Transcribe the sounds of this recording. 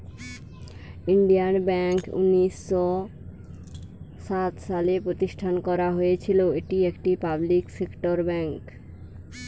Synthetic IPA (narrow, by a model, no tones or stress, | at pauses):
iɳɖijanbɛŋkṵnːisːɔ | sat̪salepɾot̪iʃʈʰankɔɾaɦojet͡ɕʰiloeʈiekʈipabliksekʈoɾbɛŋk